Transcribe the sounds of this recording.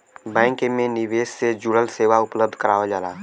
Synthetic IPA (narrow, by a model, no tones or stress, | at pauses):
bɛ̃ːŋkmẽnɪʋeːssed͡ʒʊɽəlseːʋaʊpləb̚d̪ʱkəɾaːʋad͡ʒaːlaː